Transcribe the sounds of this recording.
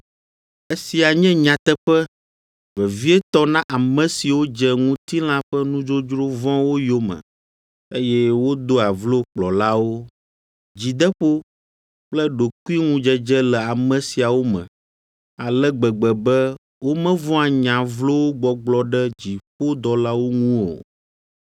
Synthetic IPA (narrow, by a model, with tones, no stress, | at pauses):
e˦si˨a˨ɲɛ̃˦ɲã˨t̪ɛ˦ɸɛ˦ | vɛ˨vi˦ɛ˦t̪ɔ˦nã˦ʔa˨mɛ̃˨si˨wo˦d͡ʒɛ˦ŋũ˦t̪i˦l̃ã˦ɸɛ˦nũ˦d͡ʒo˦d͡ʒɾo˦vɔ̃˦wo˦jo˦mə̰̃˨ | e˦jɛ˦wo˦d̪o˦a˨vlo˦k͡plɔ˨la˦wo˦ | d͡ʑi˨d̪ɛ˦ɸo˦ | k͡plɛ˦ɖo˨ku˦i˦ŋũ˦d͡ʒɛ˦d͡ʒɛ˦lɛ˨a˨mə̃˨si˨a˨wo˦mə̰̃˨ | a˨lɛ˦ɡ͡bɛ˨ɡ͡bɛ˨bɛ˦ | wo˦mɛ̃˦vɔ̃˦a˨ɲã˨vlo˦wo˦ɡ͡bɔ˨ɡ͡blɔ˦ɖɛ˦d͡ʑi˨ɸo˦d̪ɔ˨la˦wo˦ŋũ˦o̰˨